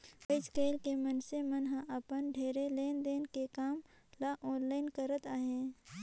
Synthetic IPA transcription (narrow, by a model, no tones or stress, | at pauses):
pəɪd͡ʒkeːlkemənsemənɦãʔɐpənɖʱeːɾeleːnd̪eːnkekaːm | laːʔɔ̃ːnlaːɪnkəɾət̪aːɦẽː